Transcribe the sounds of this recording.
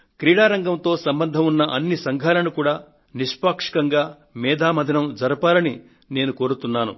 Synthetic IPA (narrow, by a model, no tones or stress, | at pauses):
kɾiːɽaːɾɐŋɡɐmt̪o̞ːsɐmbɐnd̪ʱɐmunːɐʔɐnːisɐŋɡʱaːlɐnukuːɽaː | niʂpaːkʂi̥kɐŋɡaː | mɛːd̪ʱaːmɐd̪ʱinɐmd͡ʒɐɾupaːlɐni | ne̞ːnuko̞ːɾut̪unːaːnṵ